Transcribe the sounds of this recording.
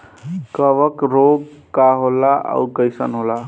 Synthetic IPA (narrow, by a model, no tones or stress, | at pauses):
kəʋəkɾoɡkaɦolaʔa̰ukəjsə̰nɦola